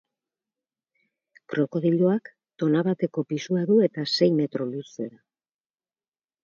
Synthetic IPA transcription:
kɾo̞ko̞ðiʎoak | t̪o̞naβat̪e̞ko̞pisuaðue̞t̪ase̞jme̞t̪ɾo̞luse̞ɾa

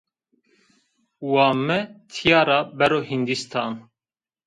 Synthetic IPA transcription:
wɑːmɛt̪ʰijɑːɾɑbɛɾoːhind̪ist̪ʰɑːn

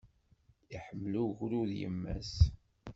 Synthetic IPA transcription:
iħəmːluʝɾuðjə̰mːæ̰s

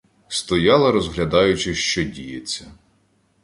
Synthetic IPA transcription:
st̪ɔjɑlˠɐɾɔzɦlʲɐd̪ɑjʊt͡ʃɪʃt͡ʃɔdʲijet͡sʲːɐ

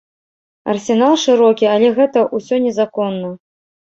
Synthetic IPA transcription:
ɐ̰rsʲɛnalˠʂɨɾɔkʲiɐlʲɛɣɛt̪ɐʔusʲɔnʲɛzakɔnːɐ

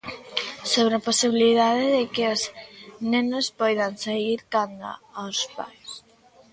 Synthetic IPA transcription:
soβɾaposiβiliðaðeðɪkɪoznenospɔjðansaɣiɾkand̪o̰awspa̰js

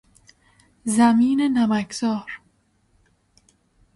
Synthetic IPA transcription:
zæmiːnenæmækʰzɒːɾ

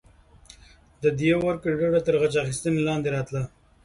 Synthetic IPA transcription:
d̪əd̪jewaɾkəɖaɽat̪əɾɣat͡ʃaxist̪ənelɑnd̪eɾɑt̪la

